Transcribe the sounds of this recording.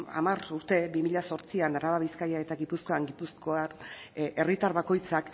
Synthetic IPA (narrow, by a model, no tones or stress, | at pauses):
a̰maruɾt̪e̞bimiʎaso̞ɾt͡sianaɾaβaβ̞iskajae̞t̪aɣipusko̞aŋɡipusko̞a | e̞rit̪aɾβako̞jt͡sak